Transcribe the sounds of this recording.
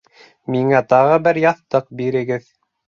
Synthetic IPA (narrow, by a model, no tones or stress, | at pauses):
miŋæt̪ɑʁɤbɘɾjɑθt̪ɤq̚biɾɘ̆ɡɘð